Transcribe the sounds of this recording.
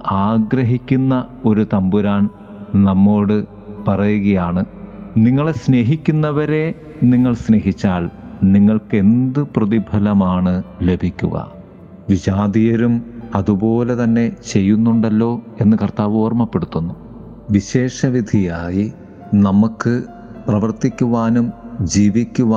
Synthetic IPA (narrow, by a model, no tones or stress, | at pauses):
aːɡɾɐɦikʲːunːɐo̞ɾut̪ɐmbuɾaːɳ | nɐmːo̞ːɽɨ | pɐrɐjuɣɐjaːɳɨniŋːɐɭesne̞ːɦikʲːunːɐʋɐɾe̞ | niŋːɐɭsne̞ːɦit͡ɕːaːɭniŋːɐɭke̞nd̪ɨprɐðibʱɐlɐmaːɳɨle̞bʱikʲːṵɣɐ̰ | ʋiɕaːd̪ijɐɾumɐðubo̞ːle̞t̪ɐnːe̞t͡ɕe̞jːunːuɳɖɐlːo̞ːe̞nːɨkɐrt̪aːʋoːrmɐpːe̞ɽut̪ːunːu | ʋiɕe̞ːʂɐʋid̪ʱijaːji | nɐmukːɨ | prɐʋɐrt̪ikʲːuʋaːnumd͡ʑiːʋikʲːuʋa